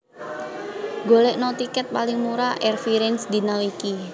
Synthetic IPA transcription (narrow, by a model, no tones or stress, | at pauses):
ɡo̤leʔnot̪ikɛt̪̚palɪŋmuɾaʔɛrfiɾɛnsd̪i̤nawiki